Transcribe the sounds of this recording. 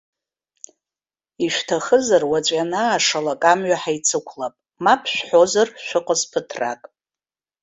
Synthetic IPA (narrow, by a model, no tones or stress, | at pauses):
iʃᶣʷtʰaχəzarwat͡ɕʷʼanaːʂalakʼamɥaħajt͡sʰɨkʷʰlapʼ | mapʰʃᶣʷħozarʃʷᶣʊqʼəzpʰɨtʰra̰kʼ